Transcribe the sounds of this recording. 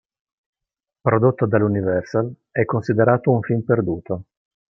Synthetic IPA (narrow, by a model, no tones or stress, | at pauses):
pɾod̪ot̪ːod̪alunivɛrsal | ɛkːonsid̪eɾaːt̪ouɱfimperd̪uːt̪o